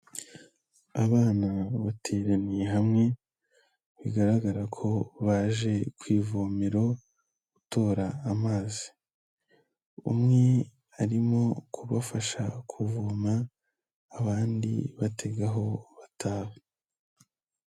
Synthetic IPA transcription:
aβaːnaβatʰeɾanijɦamŋe̞ | βiɡaɾaɡaɾakʰo̞βaːʒe̞kwiːvomiɾo̞ | ɡ̥uto̞ːɾaːmaːzi̥ | ṵmŋe̞ | aɾimo̞kʰuβafaʃakʰuvuːmaː | βaːndḭβatʰe̞ɡaɦo̞βatʰaːwe

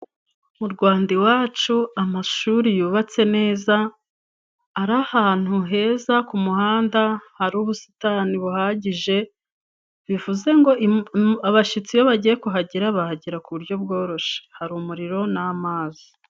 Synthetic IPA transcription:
muɾɡwaːndiwaːt͡ʃuamaʃuɾijuːβat͡se̞ne̞ːza | ɾahaːn̥huɦe̞ːzakumuhaːndahaɾuːβusi̥taniβuhaːɟiʒe̞ | βivuze̞ŋɡo̞aβaʃit͡sijoβaɟije̞kuɦaɟiɾaβahaɟiɾakuβuɾɟo̞b̚ɡo̞ːɾo̞ʃe̥haɾumuɾiɾo̞namaːzi

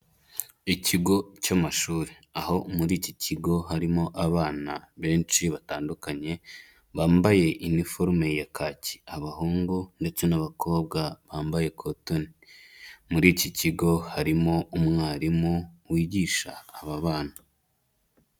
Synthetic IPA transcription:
iciɡo̞camaʃuːɾeaho̞muɾiːciciɡo̞ɦaɾimo̞ʔaβaːnaβe̞ːnʃiβataːndukaɲe̞ | βaːmbaje̞ʔinifo̞ɾme̞jakʰaci̥aβahuːŋɡunde̞t͡se̞naβakʰo̞ːb̚ɡaβaːmbaje̞kʰotoni | muɾiːciciɡo̞haɾimo̞umŋaːɾimuwiːɟiːʃaːβaβaːna

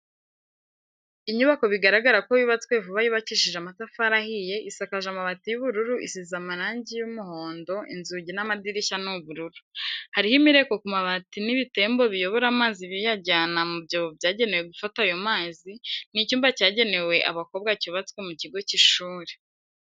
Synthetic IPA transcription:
iɲuβako̞βiɡaɾaɡaɾakoβiβat͡swe̞vuβajiβaciʃiʒamatafaɾahije̞ʔisakaʒamaβatijuβuɾuɾuʔḭsizamaɾaːɲɟijumuho̞ːndo̞ʔḭnzuɟinamadiɾiçanuβuɾuɾuhaɾihimiɾe̞ko̞kumaβatiniβite̞ːmbo̞βijo̞βo̞ɾamaːziβijaɟaːnamubɟoːβobjaːɟe̞ne̞we̞ɡufatajo̞maːzinicuːmbacaːɟe̞ne̞we̞ʔa̰βako̞β̚ɡaciβat͡skwe̞muciɡo̞ciʃuːɾe

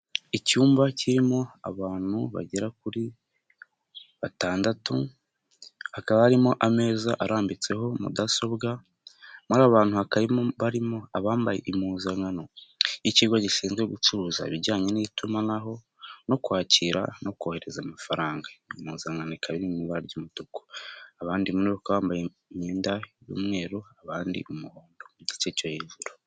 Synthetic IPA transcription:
icuːmbaciɾimo̞a̰βaːn̥huβa̰ɟeɾakuɾi | βataːndatu | hakaβahaɾimo̞ʔame̞ːzaʔaɾaːmbit͡se̞ɦo̞mṵdaso̞bɡa | muɾaβaːn̥huhakaɾiβaɾimo̞aβaːmbaje̞̰ʔimuːzaŋanoiciːɡoɟiʃiːnzɡweɡut͡ʃuɾuza̰βiɾɟaːɲe̞niitumanaɦo̞ | no̞kuwaːciɾa̰no̞koːhe̞ɾe̞zamafaɾaːŋɡaimuːzaŋanokaβinimiβaɾɟumud̥uko̥aβaːndimuneɾokaβaːmbaje | meːndajṵmŋe̞ːɾoaβaːndḭumuhoːndo̞muɟit͡ʃecojeʒuɾu

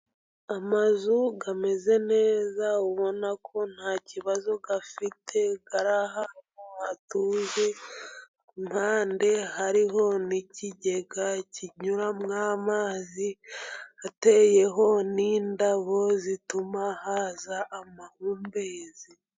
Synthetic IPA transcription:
amazuɡame̞ze̞ne̞ːzauβo̞nakʰo̞n̥haːciβazoɡafitʰe̞ɡaɾahamoatuːze | mhaːnde̞haɾiɦo̞niciɟe̞ɡaciɲuɾamŋaːmaːzi | ate̞je̞ɦo̞niːndaβo̞zitumahaːzaʔːmahuːmbe̞ːzi

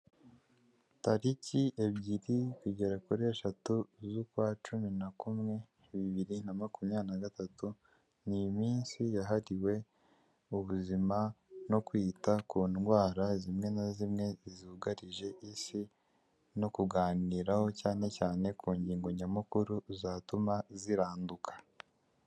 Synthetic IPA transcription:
taɾiciʔe̞bɟiɾikuɟe̞ɾakuɾieʃatuzukwaːt͡ʃuminakumŋe̞ | βiβiɾinamakumɲanaɡatatu | nijmiːnsijaɦaɾiwe̞ | uβuzimano̞kwiːtakuːnɡwaːɾazimŋe̞nazimŋe̞izuɡaɾiʒe̞ʔisi | no̞kuɡaːniɾaho̞caːne̞caːne̞kuːɲɟiːŋɡoɲamukuɾuzaːtumaziɾaːndukʰḁ

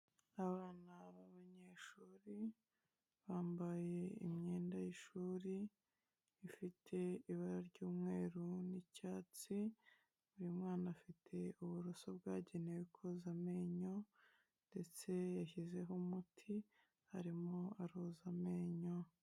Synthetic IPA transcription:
aβaːnaβaβaɲeʃuːɾi | βaːmbaje̞ḭmɲeːndajiʃuːɾiː | fitʰe̞iβaɾaɾɟuːmŋe̞ːɾunicaːt͡si | βuɾimŋaːnafitʰe̞uβuɾusobɡaːɟe̞newikʰozame̞ɲo̞ | nde̞t͡se̞jaçize̞ɦomutʰi | haɾimoaɾozame̞ɲo̞

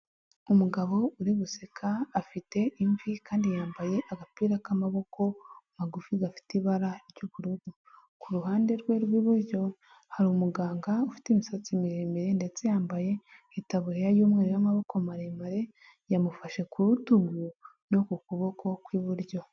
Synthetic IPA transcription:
umuɡaβo̞uɾiβusekʰaːfite̞ʔiɱvikaːndijaːmbaje̞ʔaɡapiːɾakamaβo̞kʰo̞maɡufiɡafi̥tiβaɾaɾɟuβuɾuɡu | kuɾuɦaːnde̞ɾɡwe̞ɾɡwiːβuɾɟo̞ | haɾiumuɡaːŋɡaufi̥timisat͡simiɾemiɾe̞nde̞t͡se̞jaːmbaje̞ | etaβuhejajuːmŋeːɾejamaβo̞ko̞maɾemaɾe̞ | jamufaʃe̞kuɾutuɡuno̞kukuβo̞kʰo̞kwiːβuɾɟo̞

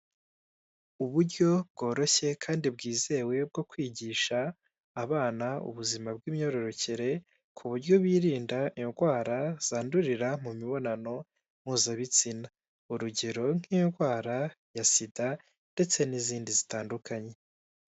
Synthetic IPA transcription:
uβuɾɟo̞b̚ɡo̞ːɾo̞çe̞kʰaːndib̚ɡiːze̞ːwe̞b̚ɡo̞kwiːɟiːʃaː | βaːnaṵβuzimab̚ɡiːmɲo̞ɾo̞ɾo̞ceɾe̞ | kʰuβuɾɟo̞βwiːɾiːndainɡwaːɾaz̥aːnduɾiɾamumiβo̞nano̞ | m̥uːzaβit͡sina | uɾuɟe̞ɾo̞ŋ̥iːnɡwaːɾajasida | nde̞t͡se̞niziːndizitaːndukʰaɲe̞

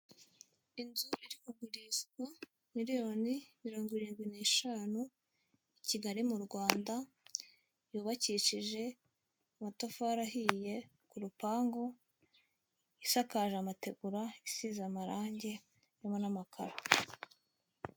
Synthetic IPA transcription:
inzuiɾikuɡuɾiʃkwa | miɾijo̞nimiɾo̞ːŋɡwiɾiːnɡwine̞ːʃanu | iciɡaɾimuɾɡwaːnda | juːβaciːʃiʒe̞ | amatofaɾaɦije̞ | kuɾupaːŋɡo̞ | isakaːʒamate̞ɡuɾaisiːzamaɾaːɲɟe̞ | ɾimo̞namakʰaɾa

